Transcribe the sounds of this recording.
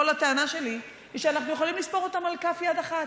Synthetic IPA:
olat̪eanaʃe̞li | iʃeanaχnujeχolimlispo̞ʁot̪amalkafjad̪aχat

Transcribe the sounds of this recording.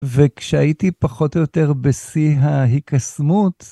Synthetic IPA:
vekʃeaitipaχo̞tojote̞ʁbesiɦaɦikasmut

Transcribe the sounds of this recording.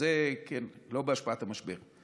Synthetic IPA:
ekenlobeaʃpaat̪hamaʃbeʁ

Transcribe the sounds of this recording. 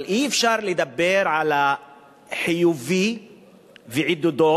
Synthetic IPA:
lʔiefʃaɾled̪abːeɾʕala | ħijuvi | veʕid̪ud̪o

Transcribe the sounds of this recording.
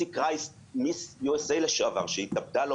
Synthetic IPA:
ikʁais | misjuesejlaʃoava̰ʁʃeit̪ab̚dalo

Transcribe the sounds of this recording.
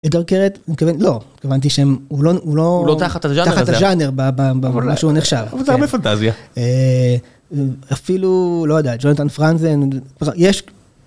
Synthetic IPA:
ed̪aʁkeʁet̪itkavenlo̞ikavant̪̬iʃeemuloulolot̪aχat̪aʒataχataʒaneʁbababaamaʃuneχʃavavalzeaʁbefant̪aziae | afilulojodeat̪d͡ʒonat̪anfʁanzenajeʃ

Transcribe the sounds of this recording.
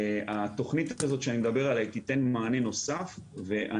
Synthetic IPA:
at̪o̞χnit̪akazo̞t̪ʃeanimed̪abe̞ʁalajt̪it̪e̞nmaːne̞no̞safve̞ʔa̰

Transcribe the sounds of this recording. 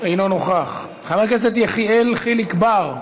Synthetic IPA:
ejnonoχaχ | χamakes̬et̪jeχielχilikbaʁ

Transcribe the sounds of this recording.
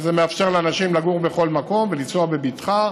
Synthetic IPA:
zemeafʃeʁleanaʃimlaɡuʁbe̞χo̞lmako̞mvelit͡soabebitχa

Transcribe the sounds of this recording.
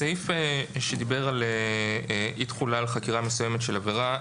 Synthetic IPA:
sejfeʃed̪ibe̞ʁale | ʔit̪χulalχakiʁamesuje̞metʃe̞laveʁa

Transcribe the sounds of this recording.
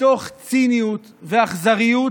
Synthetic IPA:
o̞χt͡sinijut̪veaχzaʁiju

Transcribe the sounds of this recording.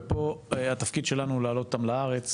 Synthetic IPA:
po̞eat̪afkid̪ʃe̞lanuulaːlo̞t̪otamlaaʁet͡s

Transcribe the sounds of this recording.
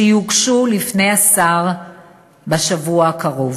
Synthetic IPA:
juɡʃulifne̞jasaʁ | baʃavuaakaʁov

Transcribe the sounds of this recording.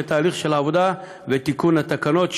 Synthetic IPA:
et̪aːliχʃe̞laːvo̞d̪a | vet̪ikunhat̪akano̞t̪

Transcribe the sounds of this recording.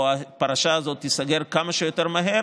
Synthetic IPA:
apaʁaʃaːzo̞t̪ːisaɡe̞ʁkamaʃejo̞te̞ʁmaɦe̞ʁ

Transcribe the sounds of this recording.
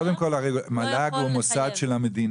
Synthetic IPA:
od̪emko̞laʁejmalaɡumosad̪ʃelamed̪in

